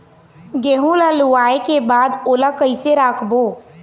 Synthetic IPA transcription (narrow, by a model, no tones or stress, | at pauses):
ɡeːɦũlaluaːekebaːd̪oːlakəɪseɾaːkʰboː